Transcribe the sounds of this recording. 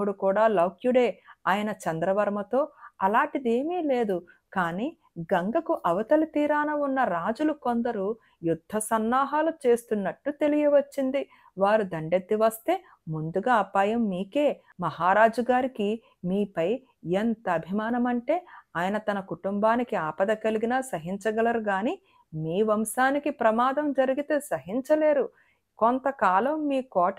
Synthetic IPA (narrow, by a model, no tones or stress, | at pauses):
uɽukuːɽaːlɐwkjuɽe̞ːaːjɐnɐt͡ʃɐnd̪ɾɐʋɐɾmɐt̪o̞ːɐlaːɳʈid̪e̞ːmiːle̞ːd̪ukaːniː | ɡɐŋɡɐkuʔɐʋɐt̪ɐlit̪iːɾaːnɐunːɐɾaːd͡ʒuluko̞nd̪ɐɾu | jud̪ʱːɐsɐnːaːɦaːlut͡ʃe̞ːst̪unːɐʈːut̪e̞lijɐʋɐt͡ʃːind̪i | ʋaːɾud̪ɐɳɖet̪ːiʋɐst̪e̞ː | mund̪uɡaːɐpaːjɐmːiːke̞ː | mɐɦaːɾaːd͡ʒɐɡaːɾiki | miːpɐj | ent̪ɐːbʱimaːnɐmɐɳʈe̞ːaːjɐnɐt̪ɐnɐkuʈumbaːnikiaːpɐd̪ɐkɐliɡinaːsɐɦiɲt͡ʃɐɡɐlɐɾuɡaːniː | miːʋɐmʃaːnikipɾɐmaːd̪ɐmd͡ʒɐɾiɡit̪e̞ːsɐɦiɲt͡ʃɐle̞ːɾu | kont̪ɐkaːlɐmːiːkɔː